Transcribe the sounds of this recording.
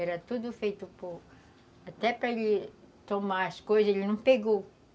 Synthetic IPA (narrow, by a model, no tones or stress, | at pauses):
ɛɾɐt̪ud̪ʊfejt̪ʊpoɾ | at̪ɛpɾɐelɪ | t̪omaɐskojzɐzelɪnɐ̃w̃peɡow